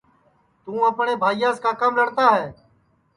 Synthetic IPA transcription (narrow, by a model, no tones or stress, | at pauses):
t̪ũːəpɳeːbʱaːijãːskaːkəmləɽt̪aːɦɛː